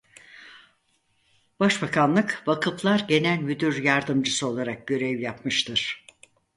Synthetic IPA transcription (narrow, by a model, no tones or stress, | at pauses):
b̥aʃbakʰanlˠɯkbakʰɯplˠaɾɟe̞nælʲmyd̪yɾjaɾd̪ɯmd͡ʒɯsɯo̞lˠaɾak̚ɟø̞ɾɛvjapmɯʃt̪ʰɯɾ̥